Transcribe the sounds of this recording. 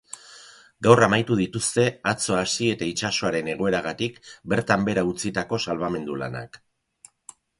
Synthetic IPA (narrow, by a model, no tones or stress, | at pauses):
ɡawramajt̪uð̞it̪ust̪e̞at͡so̞asie̞t̪ait͡ʃaso̞aɾe̞ne̞ɣ̞o̞e̞ɾaɣat̪ikbe̞ɾt̪ambe̞ɾaut͡sit̪ako̞salβame̞nd̪ula̰na̰k